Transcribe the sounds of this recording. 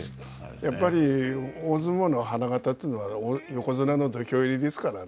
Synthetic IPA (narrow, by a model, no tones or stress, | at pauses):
japːaɾʲioːzɨmono̞ɦanaɡat̪at̪ːeɯnoβaojo̞ko̞zɨnano̞d̪okʲo̞ːiɾʲid̪e̞sɨ̥kaɾa